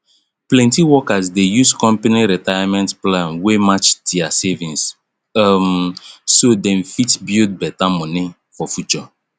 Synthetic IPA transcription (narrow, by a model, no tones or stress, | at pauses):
plɛ̃ntiwɔkazdejuskɔ̃mpaniɾitajamɛ̃ntplãnwemat͡ʃdiasevĩns | msodɛ̃mfitbid̚bɛtamɔni | fɔfjut͡ʃɔ